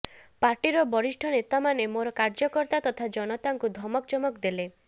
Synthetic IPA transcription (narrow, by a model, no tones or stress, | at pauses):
paɾʈiɾɔbɔɾiʃʈʰɔnet̪amanemoɾɔkaɾd͡ʒɔkɔɾt̪at̪ɔt̪ʰad͡ʒɔnɔt̪aŋkud̪ʱɔmɔkt͡ʃɔmɔkd̪ele